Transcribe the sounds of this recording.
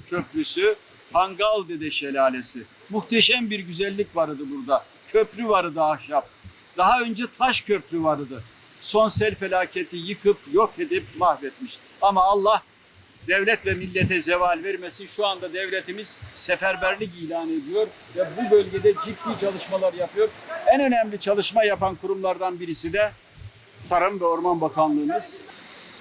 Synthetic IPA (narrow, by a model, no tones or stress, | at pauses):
cʰøpɾysy | pʰaŋɡalˠd̪ed̪ɛʃelʲaːlʲesi | muxt̪ʰeʃæmbiɾɟyzælʲːicvaɾɯd̪ɯbuɾd̪a | cʰøpɾyvaɾɯd̪ɯahʃap̚ | d̪̥aɦaø̞nd͡ʒɛt̪ʰaʃcʰøpɾyvaɾɯd̪ɯ | so̞nsɛlʲfelʲaːcʰet̪ʰijɯkʰɯpjo̞ked̪ip̚mahvɛt̪miʃ | amaːlˠːah | d̪̥ɛvlʲɛt̪vʲɛmilʲːet̪ʰɛzevalʲvɛɾmesiʃuand̪ad̪evlʲet̪ʰimiz̥sɛfæɾbæɾlʲic̬ilʲaːned̪ijo̞ɾ | vɛbubølʲɟed̪ɛd͡ʒid̪ːiːt͡ʃʰalˠɯʃmalˠaɾjapɯjo̞ɾænø̞næmlʲit͡ʃʰalˠɯʃmajapankʰuɾumlˠaɾd̪anbiɾisid̪ɛ | t̪ʰaɾɯmvɛo̞ɾmanbakʰanlˠɯːnɯz̥